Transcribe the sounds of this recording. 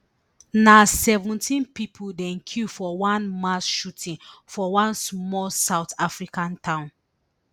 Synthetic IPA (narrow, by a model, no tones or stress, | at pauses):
nasɛvũntĩnpipʰudɛ̃nkʰufɔwãnmasʃutʰĩnfɔwãnsmɔlsaʊtafɹikãntʰãʊ̃n